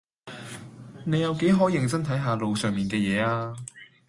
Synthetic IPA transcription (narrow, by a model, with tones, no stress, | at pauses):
ne˨˧jɐ˨˧wke˨˥jɦɔː˨˥jɪ˨ŋt͡sɐ˥ŋt̪ʰɐ˨˥jɦaː˨˧lo˨˧wsœː˨˩ŋmiː˨˩nkɛː˧jɛː˨˧aː˧